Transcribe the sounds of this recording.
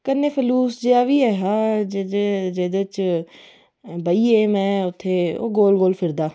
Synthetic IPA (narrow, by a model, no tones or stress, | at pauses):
kənːeːpʰəluːsd͡ʒeaːʋiːɛːɦãːd͡ʒeed͡ʒeːd̪et͡ʃ | bəiːeːmɛ̃ːʊt̪ʰːeːo̰ːɡoːlɡoːlpʰɪɾd̪aː